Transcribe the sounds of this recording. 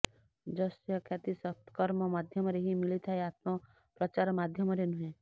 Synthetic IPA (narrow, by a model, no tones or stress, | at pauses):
d͡ʒɔsjɔkʰjat̪isɔt̪kɔɾmɔmad̪ʱjʌmɔɾeɦimilit̪ʰaeat̪mɔ | pɾɔt͡ʃaɾmad̪ʱjʌmɔɾenũɦẽ